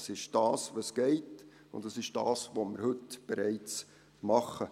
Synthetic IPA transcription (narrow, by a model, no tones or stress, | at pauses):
sɪʃd̥ɑːsʋosɡ̥ɛɪt | ʊ̰ndɑsɪʃd̥ɑ̰ːsʋomɪɾhɵtb̥eɾɛɪt͡s | mɑχə